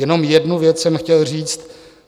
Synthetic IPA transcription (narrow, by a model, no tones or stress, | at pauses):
ɛno̞mjɛdnuvjɛt͡ssɛmxcɛlr̝iːt͡st̪̚